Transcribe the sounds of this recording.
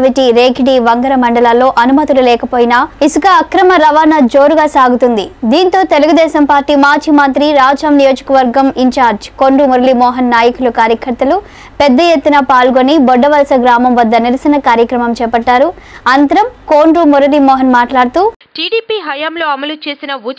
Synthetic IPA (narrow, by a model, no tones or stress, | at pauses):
ʋiʈiɾeːkiɖiʋɐŋɡɐɾɐmɐɳɖɐlaːlːo̞ːʔɐnumɐt̪ululɛːkɐpoːjinɐisukɐːkɾɐmɐɾɐʋaːnɐd͡ʒoːɾuɡaːsaːɡut̪und̪id̪iːnt̪o̞ːt̪eluɡud̪ɛːʃɐmpaːɾʈːiːmaːt͡ʃimɐnt̪ɾiɾaːd͡ʒɐmnijo̞ːd͡ʒɐkɐʋɐɾɡɐmiɲt͡ʃaːɾd͡ʒkoːɳɖɾumɔɾɐlimɔːɦɐnːaːjɐkulukaːɾjɐkɐɾt̪ɐlu | pɛd̪ːɐjet̪ːunɐpaːlɡonibɔɖːɐʋɐlɐsɐɡɾaːmɐmʋɐd̪ːɐniɾɐsɐnɐkaːɾjɐkɾɐmɐmt͡ʃɛːpɐʈːaːɾuɐnt̪ɐɾɐmkoːɳɖɾumɔɾɐlimɔːɦɐnmaːʈlaːɽut̪uː | ʈiːɽiːpiːɦɐjɐmloːɐmɐlut͡ʃe̞ːsinɐu